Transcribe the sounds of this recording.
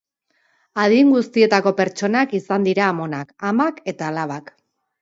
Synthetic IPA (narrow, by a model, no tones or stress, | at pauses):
aðiŋɡust̪ie̞t̪ako̞pe̞ɾt͡ʃo̞nakisand̪iɾaːmo̞nakamake̞t̪aːlaβak